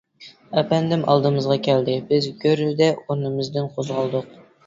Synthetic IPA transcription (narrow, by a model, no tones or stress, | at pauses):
ɛpɛnd̪ɪmʔɑ̰lˠd̪ɨmɨzʁɑkʲʰɛld̪ɪbɪzɡʲøɾd̪ɛoɾnɨmɨzd̪ɪnqʰozʁɑlˠd̪ʊq̚